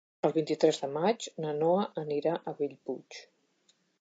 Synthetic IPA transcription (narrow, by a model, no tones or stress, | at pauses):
əlˠβint̪it̪ɾɛzðəmad͡ʒnənoəʔəniɾaʔəβiʎput͡ʃ